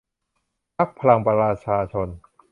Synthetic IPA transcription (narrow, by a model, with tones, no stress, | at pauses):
pʰa˦˥k̚pʰa˧la˧ŋpa˧ɾaː˧t͡ɕʰaː˧t͡ɕʰo˧n